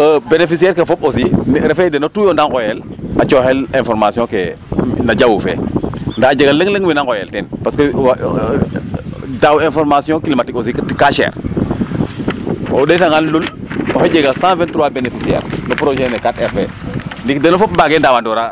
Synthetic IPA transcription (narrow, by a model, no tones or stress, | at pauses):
əbenefis̬iɛɾkefɔp̚osiɾefedenotujondaŋkojɛlat͡ʃohɛlɛ̃nfɔɾmasjɔ̃kenad͡ʒawufɛ̰ndad͡ʒeɡaləŋləŋwinaŋkojɛ̰ltɛnpaskə | dawɛ̃nfɔɾmasjɔ̃kilimatikos̬ikkaʃɛ̰ːɾ | oɗetaŋanlulɔhɛd͡ʒeɡasãːfɛ̃ntɾuwalbenefisiɛ̰ɾnopɾoʃenekatɛɾfɛndikdenofɔp̚baɡendawandoɾa